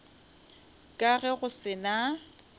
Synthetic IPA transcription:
kʼaɣɛɣʊsɪna

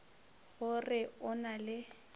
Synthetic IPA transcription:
ɣʊrɪʊnalɪ

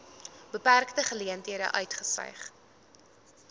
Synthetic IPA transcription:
bəpærktəχəliəntɦiəɾə̰ʔœɥtχəsœ̰jχ

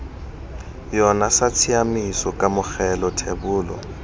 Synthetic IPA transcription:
jɔnasat͡sʰiamisɔkʼamʊxɛlɔtʰebʊːlɔ̰

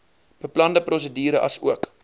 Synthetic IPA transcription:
b̥əplɐndəprɔs̬ədiːɾəʔɐsuək

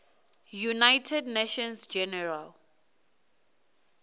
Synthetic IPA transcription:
junajtʰɛdneʃɔ̃nsd͡ʒɛnɛɹal

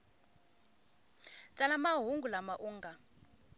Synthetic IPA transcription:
t͡sʼalamaɦuŋɡulamaʔuːŋɡa

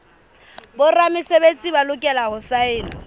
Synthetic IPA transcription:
bʊramɪsebet͡sʼibalʊkʼɛlaɦʊsaɪːna

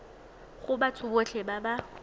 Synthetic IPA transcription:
χʊbat͡sʰʊbot͡ɬʰɛbaba

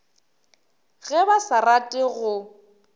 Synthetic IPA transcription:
ɣɛbasaratʼɪɣʊ

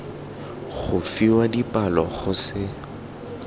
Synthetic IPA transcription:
χʊfiwadipʼalɔ̰χʊsɪ

